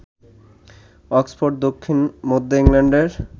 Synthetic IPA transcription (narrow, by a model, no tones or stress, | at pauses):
ɔksfoɖ̚d̪okʰːinmod̪ʱːoiŋleɳɖeɾ